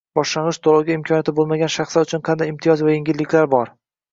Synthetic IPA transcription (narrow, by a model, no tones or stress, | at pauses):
b̥ɒʃlaɴʁɨʃt̪ʰolˠawɡʲaɪmkʰɒnjat̪ʰɪbolˠmaɡʲanʃɑχslaɾʊt͡ʃʰʊnqʰɑnd̪ajɪmt̪ʰijɒzvajeŋɡʲɪlːɪkʲʰlaɾbɒɾ